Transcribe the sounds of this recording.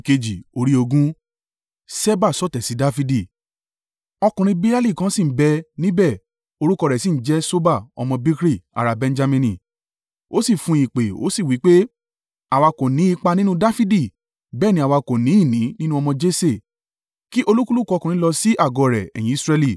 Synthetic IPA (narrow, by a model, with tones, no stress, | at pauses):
ke˧d͡ʒi˨o˧ɾi˦o˧ɡũ˦ | sɛ˦ba˦˨sɔ˦˨tɛ˨si˨˦da˦fi˦di˦˨ | ɔ˧kũ˨ɾ̃ĩ˧be˦a˦li˦˨kã˨˦sĩ˦˨˦bɛ˧nĩ˦bɛ˦˨ | o˧ɾu˦kɔ˧ɾɛ˨si˦ñ̩˦d͡ʒɛ˦so˦ba˦˨ɔ̰˧mɔ̃˧bi˦kɾi˦˨a̰˨ɾa˨bɛ̃˧n˦d͡ʒa˧mĩ˧nĩ˨ | o˦si˦˨fũ˧˦i˨k͡pe˨o̰˦si˦˨wi˨˦k͡pe˦ | a˨wa˧kõ˨nĩ˨˦i˧k͡pa˧nĩ˦nũ˦da˦fi˦di˦˨ | bɛː˦˨nĩ˦a˨wa˧kõ˨nĩ˨˦i˦˨nĩ˨˦nĩ˦nũ˦ɔ˧mɔ̃˧d͡ʒe˦se˦˨ | ki˦ʔo˧lu˦ku˦lu˦˨kɔ˧kũ˨ĩ˧˦lɔ˧si˦ʔa˦˨ɡɔ˧˨ɾɛ˨ɛ̰˨j̃ĩ˨˦i˦˧sɾɛ˧li˦˨